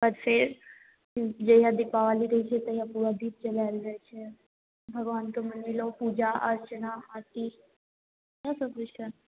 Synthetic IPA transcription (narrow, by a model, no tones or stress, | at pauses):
pəɾfeɾ | d͡ʒejãd̪ɪpaʋaːliɾɐɦit͡ʃʰet̪ɐjapuɾad̪iːp̚t͡ʃəlalɾɐɦet͡ʃʰe | bʱəɡʋaːnkemənilopuːd͡ʒaʔɐɾt͡ʃənaɦat̪i | jãsəkɾɪʃʈən